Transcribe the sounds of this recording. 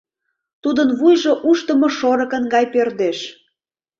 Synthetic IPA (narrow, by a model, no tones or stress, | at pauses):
t̪ud̪ənβujʒoʔuʃt̪ə̆moʃoɾɤ̆kə̆nɡɑjperd̪eʃ